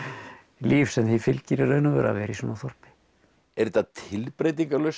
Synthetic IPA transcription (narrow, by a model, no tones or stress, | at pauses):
liːfsɛmθifɪlcɪɾɪɾœɥnavɛ̰ːɾa̰vɛːɾisɔːnaθɔr̥pɪ̥ | ɛɾt̪at̪ʰɪlpɾeːjt̪iŋkalœɥs